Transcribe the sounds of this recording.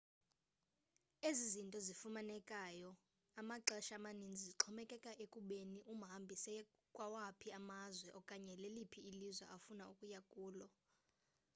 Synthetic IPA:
ezizintʼɔzifumanɛkʼaːjɔ | amaǁaɛʃamanind͡zʱiziǁʰɔmɛkʼɛkʼaʔekʼuɓeniʔum̩ɦambʱisɛ | kʼwawapʰiamazwɛʔɔkʼaɲɛlelipʰiːlizwa̰ʔafunaukʼujakʼuːlɔ

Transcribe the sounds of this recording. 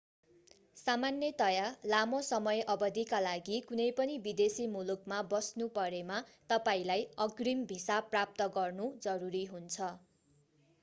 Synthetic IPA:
samanjʌt̪ʌjalamosʌmʌjʔʌbʌd̪ikalaɡikunʌjpʌnibid̪esimulukmabʌsnupʌɾemat̪ʌpaĩlajʌɡrimbʱisaprap̚t̪ʌɡʌrnud͡zʌɾuɾiɦunt͡sʰʌ

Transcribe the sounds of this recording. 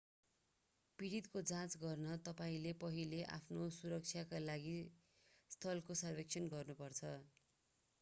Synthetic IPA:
piɽit̪kod͡zãt͡sɡʌrnʌt̪ʌpaĩlepʌɦileʔa̰pʰnosuɾʌk̚t͡sʰjakalaɡi | st̪ʰʌlkosʌrbek̚t͡sʰʌnɡʌrnupʌrt͡sʰʌ

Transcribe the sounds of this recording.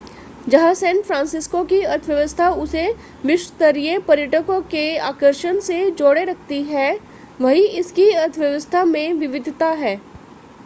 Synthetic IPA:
d͡ʒɐɦãsɛ̃ːnfɾãːnsɪskokiɐt̪ʰʋjəʋəst̪ʰaʊse | ʋɪʃʋt̪əɾiepɐɾjəʈəkõkeaːkəɾʃənsed͡ʒoːɽeɾɐk̚ʰt̪iɦɛː | ʋɐɦiɪskiɐt̪ʰʋjɐʋəst̪ʰamẽʋɪʋɪd̪ʱt̪aɦɛː

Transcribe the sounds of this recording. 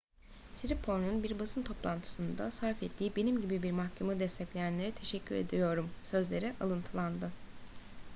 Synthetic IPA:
siɾipʰo̞ɾnunbiɾbasɯnt̪ʰo̞plˠant̪ʰɯ̥sɯnd̪asaɾfɛt̪ʰːiːibe̞nimɟibibiɾmaxcʰemad̪ɛst̪ʰɛclʲejænlʲe̞ɾit̪ʰe̞ʃɛcʰːyɾe̞̰d̪ijo̞ɾumsø̞zlʲe̞ɾiʔalˠɯnt̪ʰɯlˠand̪ɯ

